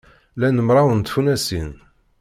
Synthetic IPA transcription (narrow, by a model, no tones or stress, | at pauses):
lænəmɾˤɑwənt̪funæsin